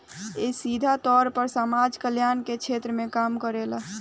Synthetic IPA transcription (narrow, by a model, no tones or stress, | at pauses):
esid̪ʱat̪ɔɾpəɾsamad͡ʒkəljanket͡ʃʰet̪ɾəmekamkəɾel